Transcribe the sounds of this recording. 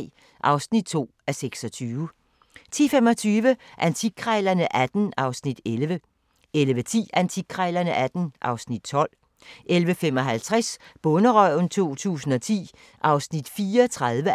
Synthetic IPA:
ʔɑ̈ʊsnid̥̚t͡sʰo̝̰ː | æseɡ̥sɒ̽t͡sʰyːʊ | t͡sʰḭːfemɒ̽t͡sʰyːʋəʔænt͡sʰiɡ̥ʰʁɛɪlɐnəʔæd̥n̩ɑ̈ʊsnid̥elʋə | elʋət͡sʰḭːænt͡sʰiɡ̥̚ʰʁɛɪlɐnəʔæd̥n̩ʔɑ̈ʊsnid̥̚t͡sʰɒ̽l̰ | ʔelʋəfem̰ɒ̽ɦælt͡sʰʁɛsb̥ɔ̽nəʁœ̰nt͡sʰo̝̰ːt͡sʰṵːsn̩ɒ̽t͡sʰḭː | ʔɑ̈ʊsnid̥fiːɐt͡sʰʁɑðˠʋə

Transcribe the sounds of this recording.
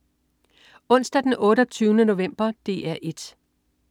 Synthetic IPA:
ɔ̽n̰sd̥æd̥enʔɔ̽ːɾɒt͡sʰyːʊnəno̝ʋem̰b̥ɐd̥e̝ːæɐ̰ʔe̝d̥

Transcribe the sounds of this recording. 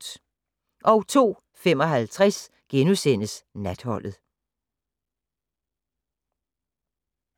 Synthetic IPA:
ʔɒ̽ʊt͡sʰo̝̰ː | fem̰ɒ̽ɦælt͡sʰʁɛs | ɡ̥enusen̰əsnæd̥hɒ̽l̰ð̩ˠ

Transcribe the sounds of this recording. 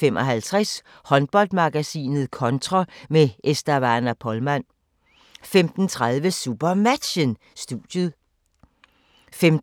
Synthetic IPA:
em̰ʔɒ̽ɦælt͡sʰʁas | hɒ̽nb̥ɒ̽ld̥̚mɑ̈ɡ̥æsḭːnð̞̩ˠkʰɒ̽nt͡sʰʁɑmeʔesd̥ɐʋæ̈ːnæpʰɒ̽lmæn̰ | femd̥n̩t͡sʰʁɑðˠʋəsub̥ɐmæd̥ɕən | sd̥uðjəð̩ˠ | fem

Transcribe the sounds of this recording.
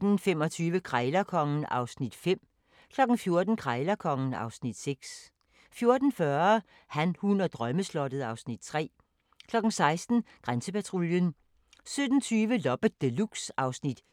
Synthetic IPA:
d̥n̩fem̰ɒ̽t͡sʰyːʋəkʰʁɑɪlɐkʰɒ̽ŋən̩ɑ̈ʊsnid̥fem̰ | kʰlɒ̽ɡ̥n̩fjo̝ɐd̥n̩kʰʁɑɪlɐkʰɒ̽ŋn̩ɑ̈ʊsnid̥seɡ̥s | fjo̝ɐd̥n̩fɶɐ | hænhunɐd̥ʁɶməslɒ̽d̥ð̩ˠɑ̈ʊsnid̥̚t͡sʰʁɛ̰ː | kʰlɒ̽ɡ̥̩sɑ̈ɪsd̥n̩ɡ̥ʁansəpæt͡sʰʁuljən | sød̥n̩t͡sʰyːʋəlɒ̽b̥əd̥eluɡ̥sɑ̈ʊsnid̥

